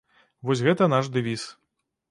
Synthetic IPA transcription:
vɔsʲɣɛt̪ɐnaʂd̪ɨvʲis

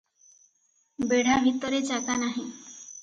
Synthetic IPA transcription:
beɽ̤ʱabʱit̪ɔɾet͡ʃakanaɦĩ

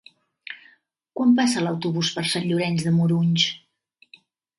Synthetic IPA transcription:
kwampasələwt̪uβuspəɾsanʎuɾɛnzðəmuɾuɲt͡ʃ

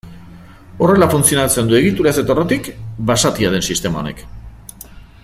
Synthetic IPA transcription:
o̞re̞lafunt͡sio̞nat͡se̞nd̪ue̞ɣ̞it̪uɾase̞t̪orot̪ikbasat̪iað̞e̞nsist̪e̞mao̞̰ne̞̰k

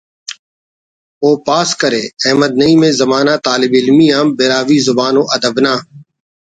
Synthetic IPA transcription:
oːpaːskəɾeːɛːməd̪̚nəĩːmẽːzəmaːnaːt̪aːlɪbɪlmiːãːmbeːɾaːʋiːzʊbaːnõːʔəd̪əbnãː

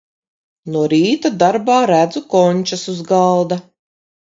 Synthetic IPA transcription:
nuɔɾiːt̪ad̪aɾbaːɾæd̪zukɔɲʲt͡ʃasuzɡalˠd̪a

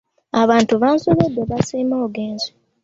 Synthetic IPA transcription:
aβaːntuβaːnsoβed̪ːeβasiːmoːɡeːnzi

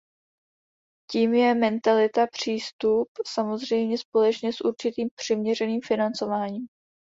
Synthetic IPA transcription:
ciːmjɛmɛnt̪alɪt̪apr̝̥iːst̪upsamo̞zrɛjmɲɛspo̞lɛt͡ʃɲɛsʔuɾt͡ʃɪt̪iːmpr̝̥ɪmɲɛrɛniːmfɪnant͡so̞vaːɲiːm

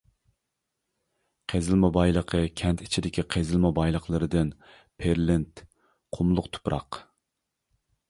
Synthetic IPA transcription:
qʰezɪlˠmɑbɑjlˠəqʰəkʲʰɛnt̪i̥t͡ʃʰid̪ɪkʲʰiqʰezɪlˠmɑbɑjlˠəχlˠɨɾɨd̪ɨn | pʰeɾlɪnt̪ | qʰʊmlˠʊqt̪ʰu̥pɾɑ̰q

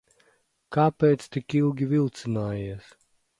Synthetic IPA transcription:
kaːpɛːt̪st̪ikilˠɡʲivilˠt̪sɨnaːjiɛs

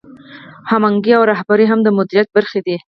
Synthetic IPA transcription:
hamaŋɡiawɾahbaɾiɦamd̪əmʊd̪iɾijat̪̚baɾxed̪i

